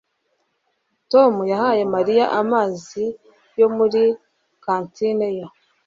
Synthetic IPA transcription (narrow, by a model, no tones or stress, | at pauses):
to̞mujahaje̞maɾija̰ʔamaːzi | jo̞muɾi | kaːntinejo